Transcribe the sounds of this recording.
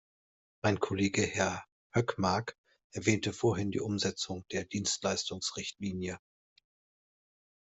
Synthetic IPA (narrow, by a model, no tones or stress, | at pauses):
maɪnkʰoleːɡəhɛɐ | hœkmaɐk | ʔɛɐvɛːntəfoːɐɦɪndḭːʔʊmzɛt͡sʊŋd̥eːɐdiːnstlaɪstʊŋsʁɪçtliːnjə